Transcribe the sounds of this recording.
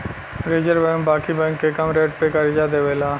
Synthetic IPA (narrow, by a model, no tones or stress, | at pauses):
ɾeːd͡ʒəɾbɛ̃ːmbaːkibɛ̃ːŋkːekɐmɾeːʈ̚pekɐɾd͡ʒad̪eːʋeːlaː